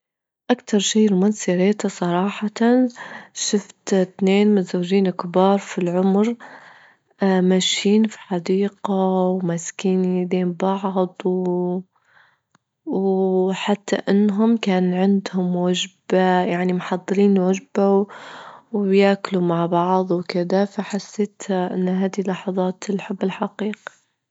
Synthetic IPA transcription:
ʔakt̪ɑɾˤʃiːlmʊnsiɾeːt̪asˤɑɾˤɑːħɑt̪anʃʊft̪t̪neːnmɪzawːʒiːnkbɑːɾˤfilʕʊmɾ | maʃːiːnfi̥ħɑd̪iːqawmaskiːnid̪eːmbɑʕd̪ˤw | wħat̪ːa̰ʔɪnːɦʊmkaːnʕɪnd̪hʊmwad͡ʒbajaʕnimħɑd̪ˤːɨɾiːnwaʒbaw | wjaːklumaʕbɑʕðˤwkɪd̪afaħasːeːt̪ʔɪnːɦaːd̪ilːɑħɑðˤɑːt̪lħabːɪlħɑqiːq

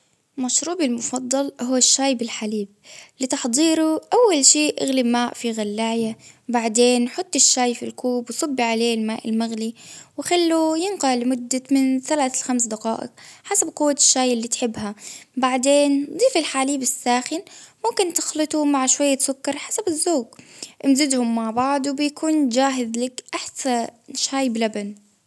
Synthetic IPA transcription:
maʃɾuːbɪlmʊfɑd̪ˤːɑlhʊwːaʃːaːjbɪlħaliːb̚lɪt̪ɑħd̪ˤiːɾuʔawːalʃiːʔaɣlɪmaːʔfiɣalːaːja | baʕd̪eːnħʊt̪ˤːɪʃːaːjfilkuːbwsˤɑbːiʕaleːlmaːʔɪlmaɣliwɪxalːujɪnqɑlɪmʊd̪ːamɪnsalʕalxamsd̪aqɑ̰ːʔɪ̰qħasab̚qʊwːaʃːaːjʔɪlːiːt̪ħɪbːɦabaʕd̪eːnd̪ˤiːfɪlħaːliːbɪsːaːxɪnmʊmkɪnt̪ɪ̥xlɨt̪ˤumaʕʃwajːasʊkːɑɾˤħasabɪzːoːɡʔɪmzɪd̪hʊmːaʕbɑʕd̪ˤwbɪjakʰuːnd͡ʒaːɦɪðlakʔaħsaʃhaːjblaban

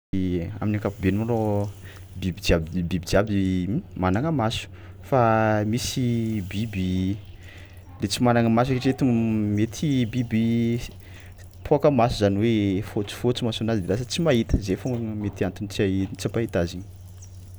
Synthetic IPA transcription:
a̰minakapubenumaro | bibid͡ʒiabibibid͡ʒiabimanaŋəmasu̥ | famisibibi | let͡simanaŋəmas̬akeʈ͡ʂet̪umet̪ʰibibi | pʰoakəmasuzaniwefot͡su̥fot͡simasonazid̪elas̬ət͡simaɦit̪ə̥zefoŋəmet̪iant̪unt͡siait͡sipait̪aziɲ̥

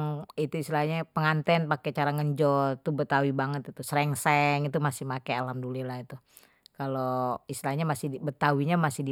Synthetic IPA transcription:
ŋit̪uistilaɲapəŋant̪ɛnpaket͡ʃaɾaŋəɲd͡ʒɔt̪ubət̪awibaŋət̪it̪usəɾɛŋsɛŋit̪umasɪhmakealamdulilait̪u | kaloist̪ilaɲamasɪbət̪awiɲamasɪdi

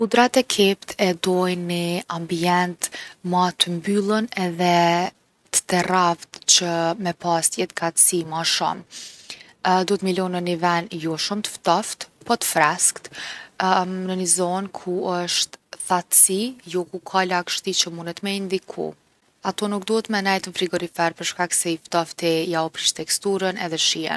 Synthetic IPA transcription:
kud̪ɾat̪ɛkʰɛpt̪ʰɛd̪ɔjniambiɛnt̪mat̪əmbylˠənɛðɛ | t̪ə̥t̪ɛravt̪t͡ɕəmɛpast̪jɛt̪ɡat̪simaʃɔ̰m | d̪ɔt̪milɔnənivɛnjɔʃumt̪ə̥ft̪ɔft̪pɔt̪ə̥fɾaskt̪ | nənizɔnkʰuəʃt̪θat̪sijɔkukʰalakʃt̪it͡ɕəmunɛt̪mɛind̪ikʰṵ | at̪ɔnuk̚d̪uhɛt̪mɛnɛjt̪ənfɾiɡɔɾifɛɾpəɾʃkaksɛift̪ɔft̪ɛjaɔpɾiʃt̪ɛkst̪uɾənɛðɛʃiɛ̰n

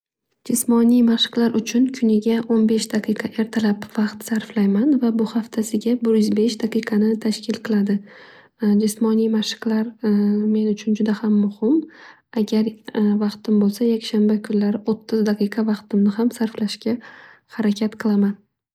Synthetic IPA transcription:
d͡ʒɪsmɒnijmaʃɨ̥qlˠaɾʔʊt͡ʃʰʊnkʰʊnɪɡʲaʔonbe̞ʃd̪aqʰɨjqʰɑʔe̞ɾt̪ʰalapvɑqt̪saɾflajmanvabʊhaft̪ʰasɪɡʲabɪɾjʏzbe̞ʃd̪aqʰɨjqʰɑnɪt̪ʰaʃkʲʰɪlqʰɨlˠad̪ɪ | d͡ʒɪsmɒnijmaʃɨ̥qlaɾme̞nʊt͡ʃʰʊnd͡ʒʊd̪ahamːʊhɪm | aɡʲaɾvɑqt̪ɪmbolˠsajakʲʃanbakʰʊnlaɾɪʔot̪ʰːɪzd̪aqʰɨjqʰɑvɑqt̪ɪmnɪhamsaɾflaʃkʲa | haɾakʲʰat̪qʰɨlˠaman

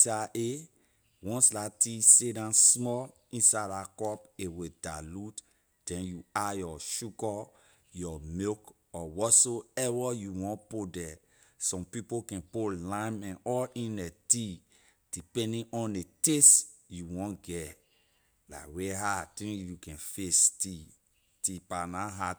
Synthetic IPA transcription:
saʔe | wɔ̃nslatisedãnsmɔl | ĩnsadakɔpewedalut | d̥ɛ̃njuajɔʃuɡɔ | jɔmek | ɔwɔtsoɛwɔjuwɔ̃npodɛ | sɔ̃mpipokɛ̃polãmɛ̃nɔlĩnɛti | d̥ipɛ̃ndĩʔɔ̃ndetes | juwɔ̃nɡɛ | la̰weɦatĩjukɛ̃nfesti | tipanaɦa

